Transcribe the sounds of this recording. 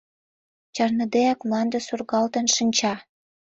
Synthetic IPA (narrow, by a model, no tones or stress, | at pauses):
t͡ɕɑrnəd̪eɑkmlɑnd̪ə̆surɣɑlt̪ə̆nʃinʲt͡ɕɑ